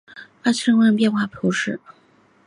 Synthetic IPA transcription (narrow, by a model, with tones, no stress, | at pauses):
fa˥sʰə˥˧ŋwə˥˧˩ŋpjɛ˥˧nxwa˥˩p̪ʰu˧˥ʂɻ̩˥˩